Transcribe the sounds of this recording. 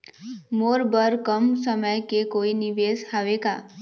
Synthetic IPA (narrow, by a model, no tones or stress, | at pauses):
moɾbəɾkəmsəməjkekoiniʋeshaʋeka